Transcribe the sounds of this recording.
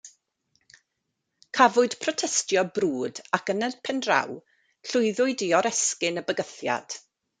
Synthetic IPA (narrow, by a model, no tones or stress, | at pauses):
kʰavʊɨd̥pʰrɔtʰɛstjɔbruːdakənəpʰɛndra̰w | ɬʊɨðʊɨdiɔɾɛskɪnəbəɡəθja̰d̥